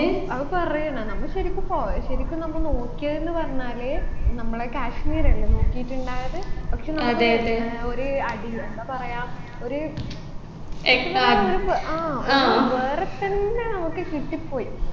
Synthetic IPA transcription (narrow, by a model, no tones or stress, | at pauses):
ɐðɨpɐrɐjuɳːɐnɐmːɐɭɕɐɾikʲːumpoːɕɐɾikʲːunnɐmːɐknoːkːijɐðenːɨpɐrɐɲːaːleːnɐmːɐɭekaːʂniːɾɐɭːeno̞ːkːijiʈːuɳɖaːjɐðɨpɐkʂeːnɐmːɐd̪eːɐt̪ːeoɾuɐɽipɐrɐjaːm | o̞ɾu | ekːaːoɾupaːoʋeːret̪ːɐnːenɐmːokːekiʈːipːo̞ːji